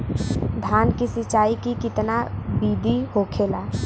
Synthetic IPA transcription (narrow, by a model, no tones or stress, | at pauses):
d̪ʱaːnkisɪt͡ʃaːikikɪt̪nabiːd̪ʱihoːkʰeːlaː